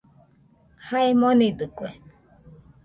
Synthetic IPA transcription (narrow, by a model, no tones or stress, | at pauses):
haemonid̪ɨkʷe